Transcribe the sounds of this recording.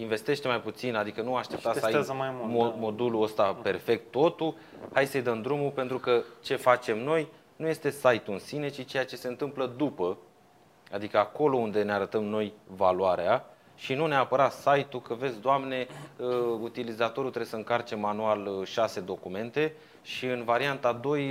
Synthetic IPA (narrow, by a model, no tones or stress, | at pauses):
iɱve̞st̪e̞ʃt̪emajput̪sinad̪ikənuaʃt̪ep̚t̪asamajmumo̞d̪uluəst̪ape̞rfe̞k̚t̪ːo̞t̪u | hajsəjd̪əmd̪ɾumupent̪ɾukət͡ʃe̞fat͡ʃe̞mno̞j | nuje̞st̪e̞sajt̪uɨnsine̞t͡ʃit͡ʃe̞jat͡ʃe̞se̞ɨnt̪ɨmpləd̪upə | ad̪ikəako̞lo̞und̪e̞neaɾət̪əmno̞jvaluaɾea | ʃinuneapəɾat̪sajt̪ukəvet̪sʲd̪oamne̞əut̪ilizat̪o̞ɾut̪ɾeesəɨŋkart͡ʃe̞manualʃase̞d̪o̞kume̞nt̪e̞ | ʃiɨnvaɾiant̪ad̪o̞j